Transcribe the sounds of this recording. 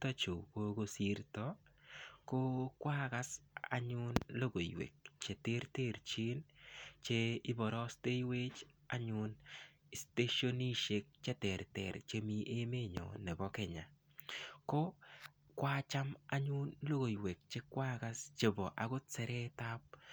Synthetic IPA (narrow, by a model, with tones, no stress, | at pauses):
ta˦t͡ʃo˨ko˦ɡo˦si˦ɾtɔ˦ | ko˦kwa˦ɡa˦sa̰˨ɲʊ˦nlo˦ɡo˨jwḛ˨k̚t͡ʃe˨te˦ɾte˦˨ɾt͡ʃe˦nt͡ʃe˦ɪ˦bɔ˨ɾɔ˦ste˦jwe˦t͡ʃa˦ɲʊn | ɪ˨ste˦ʃo˦ni˦ʃe˨k̚t͡ʃɛ˦tɛ˨ɾtɛ̰˨ɾt͡ʃe˦mi˦ʔe˦me˦ɲɔ̰˨nɛ˨bɔ˦kɛ˨ɲa˨ | kɔ˦ | kwa˦t͡ʃa˦ma˦ɲʊ˦nlo˦ɡo˨jwe˨k̚t͡ʃe˦kwa˦ɡa˦st͡ʃe˨bɔ˨ʔa˨ɡʊ˦tt͡sɛ˨ɾɛ˦ta˦p̚